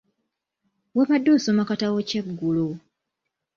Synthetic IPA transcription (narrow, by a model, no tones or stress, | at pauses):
weβadːoːsomakatawoceɡːulo